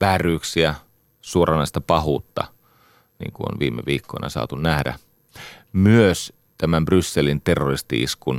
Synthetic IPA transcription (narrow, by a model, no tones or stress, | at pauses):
ʋæːrˑyːksiæ | suorʔɑnɑist̪ɑpɑɦuːt̪ːɑ̰ | nḭːŋkuo̰nʋḭːmeʋiːkːoinɑ̰sɑ̰ːt̪unnæhdæ̰ | myøs | t̪æmæmbrysːelint̪erːorist̪ḭḭskun